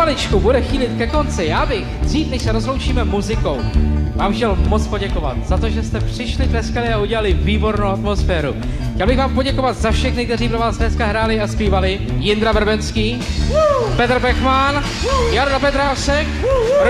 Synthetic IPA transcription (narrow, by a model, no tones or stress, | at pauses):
alɪt͡ʃkubudɛxiːlɪt̪kɛko̞nt͡sɪjaːbɪxz̥iːt̪nɛʃsɛɾozlo̞wt͡ʃiːmɛmuzɪko̞wvaːmxcɛlmot͡spo̞ɟɛko̞va̰t̪z̥at̪o̞ʒɛst̪ɛpr̥ɪʃlɪt̪ɾɛskalɪauɟɛlalɪviːbo̞ɾnowat̪mo̞sfɛːɾṵ | xcɛlbɪɣvaːmpo̞ɟɛko̞vat̪zafʃɛxnɪk̚t̪ɛriːpɾo̞vaːzdnɛskaɦɾaːlɪaspiːvalɪ | jɪnd̪ɾavr̩bɛnskiː | pɛt̪r̩bɛxman | jaɾdapɛt̪ɾaʃɛk